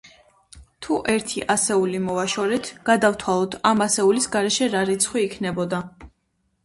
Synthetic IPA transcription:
t̪ʰuʔɛɾt̪ʰiʔasɛulimɔvaʃɔɾɛt̪ʰɡ̥ad̪aft̪ʰwalˠɔd̪ʰamasɛulisɡaɾɛʃɛɾaɾit̪sʰχwiːkʰnɛbɔd̪a

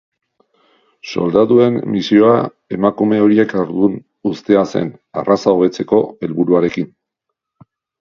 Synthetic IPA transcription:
so̞̰ld̪at̪ue̞mmisio̞a | e̞makume̞o̞ɾie̞kaɾðun | ust̪e̞ase̞̰na̰rasao̞βe̞t͡se̞ko̞e̞lβuɾuaɾe̞kin

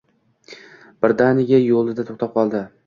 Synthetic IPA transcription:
b̥ɪɾd̪anɪɡʲajolˠɪd̪at̪ʰoχt̪ap̚qʰɒlˠd̪ɪ

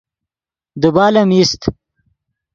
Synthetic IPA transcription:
d̪ubaːlɐmist̪

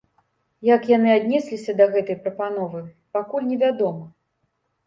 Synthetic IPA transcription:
jakjanɨad̪ʲnʲɛsʲlʲisʲɐd̪ɐɣɛt̪ɐjpɾɐpanɔvɨ | pakulʲnʲɛvʲad̪ɔmɐ

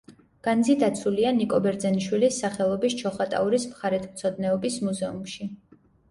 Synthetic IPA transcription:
ɡ̥anzid̪at̪sʰulianikʼɔbɛɾd̪zɛniʃwilisːaχɛlˠɔbist͡ʃʰɔχat̪ʼa̰uɾismχaɾɛt̪ʰmt̪sʰɔd̪nɛɔbismuzɛumʃi

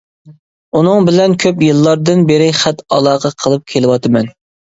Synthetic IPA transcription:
unɨŋbɪlɛnkʲʰøpjɨlˠːɑɾd̪ɨnbeɾɪχæt̪ɑlˠɑːʁɑqʰəlˠɨp̚kʲʰelɪwɑt̪ʰɨmɛn

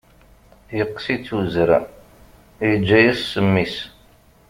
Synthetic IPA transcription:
jəqːsit͡sːuzɾa | jəd͡ʒːæjæsːəmːis

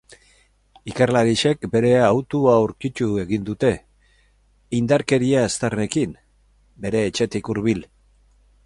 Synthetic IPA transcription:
ikarlaɾiʃe̞kbe̞ɾe̞awt̪uawɾkit͡ʃ̪ue̞ɣind̪ut̪e̞ | ind̪aɾke̞ɾiaest̪are̞kim | be̞ɾe̞ːt͡ʃe̞t̪ikuɾβil

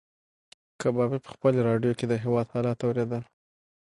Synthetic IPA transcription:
kʰabɑbepə̥xpəloɾɑɖjoked̪əɦewɑd̪hɑlɑt̪awɾed̪əl

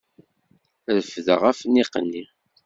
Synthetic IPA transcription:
ɾəfðə̰ʁæfniqə̰nːi

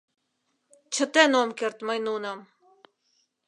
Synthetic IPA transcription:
t͡ɕʰə̆t̪enomkert̪məjnunəm

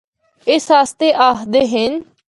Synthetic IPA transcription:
ɪsɦaːst̪eːʔaːɦd̪eːɦɪn

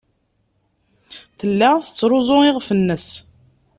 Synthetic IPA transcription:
θəlːæθət͡sːɾˤʊzˤʊɪʁfənːəs

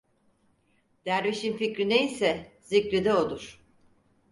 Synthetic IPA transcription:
d̪̥æɾviʃinficɾinejisɛzicɾid̪ɛoluɾ̥

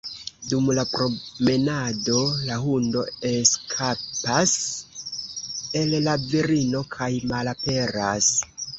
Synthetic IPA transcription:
dumlapɾo̞me̞nado̞laɦundo̞e̞skʰapas | e̞llaviɾino̞kʰajmalape̞ɾas

